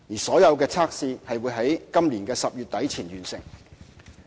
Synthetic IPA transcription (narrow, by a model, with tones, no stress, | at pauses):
jiː˨˩sɔː˨˥jɐ˨˧wkɛː˧t͡sʰaː˥k̚siː˧hɐ˨jwuː˨˧jɦɐ˨˥jkɐ˥mliː˨˩nkɛː˧sɐ˨p̚jyː˨t̚t̪ɐ˨˥jt͡sʰiː˨˩nɥyː˨˩nsɪ̰˨˩ŋ